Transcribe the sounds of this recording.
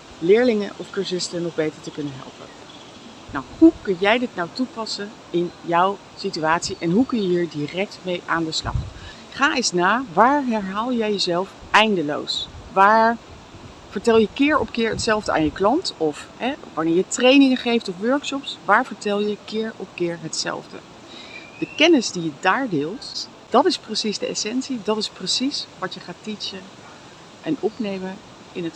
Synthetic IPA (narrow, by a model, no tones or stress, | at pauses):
lɪːɹlɪŋəʔɔ̰fkøɹsɪstənɔχbejtəɹtəkɵnənɦɛ̰lˠpə̰ | na̰whukɵnjɛjdɪtnɑwtupɑsən | ɪnjɔw | sityaːtsiʔɛnɦukɵnjəɦiːɹdirɛk̚tmejʔaːndəslɑ̰χ | χaːɪsnaːʋaːɹɦɛɹɦaːlˠjɛjəzɛlˠf | ɛjndəlo̰wsʋaːɹ | v̥əɹtɛlˠjəkɪːɹɔpkɪːɹɦətsɛlˠvdəʔa̰ːnjəklɑntɔfɦɛʋɑɹnɪːɹjətrejnɪŋəχejftɔfʋøɹkʃɔpsʋaːɹvəɹtɛlˠjəkɪːɹɔpkɪːɹɦətsɛ̰lˠvdə̰ | d̥əkɛnɪzdijədaːɹdɪːlˠt | d̥ɑtɪsprəsizdəɛ̰sɛnsidɑtɪsprəsisʋɑtjəχaːtisə | ʔɛnɔpnejmən | ɪnət